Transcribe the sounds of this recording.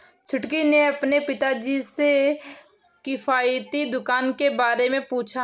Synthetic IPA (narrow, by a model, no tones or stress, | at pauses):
t͡ʃʰʊʈkineɐpnepɪt̪ad͡ʒise | kɪfʰaːjt̪id̪ʊkaːnkebaːɾemẽpuːt͡ʃʰa